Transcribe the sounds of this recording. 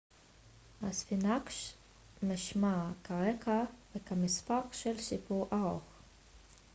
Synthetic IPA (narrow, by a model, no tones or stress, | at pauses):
ʔasfinakʃ | maʃmakaʁekavekamispaqʃelʃipuʁʔaʁoχ